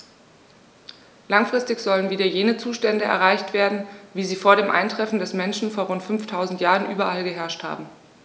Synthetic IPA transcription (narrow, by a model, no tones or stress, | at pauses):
laŋfʁ̥ɪstɪçz̥ɔlənviːdɐjeːnət͡suːʃtɛndəʔɛ̰ɐʁaɪçtv̥eːɐdn̩viːziːfoːɐɾeːmʔa̰ɪntʁ̥ɛfn̩dɛsmɛnʃn̩foːɐʁʊntfʏnftʰaʊzn̩tjaːʁənʔyːbɐʔalɡəɦɛɐʃtha̰ːbm̩